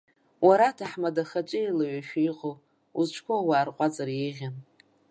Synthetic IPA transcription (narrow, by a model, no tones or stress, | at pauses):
waɾatʰaħmadaχat͡ʃʼɪilaɥaʃᶣaiqʼow | uzt͡ʃʷʰkʷowaːrqʷʼat͡sʼaɾjeʁʲan